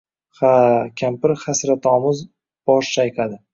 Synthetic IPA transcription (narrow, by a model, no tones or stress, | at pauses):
χakʲʰampɪɾχasɾat̪ʰɒːmʊz | b̥ɒʃt͡ʃajqʰad̪ɪ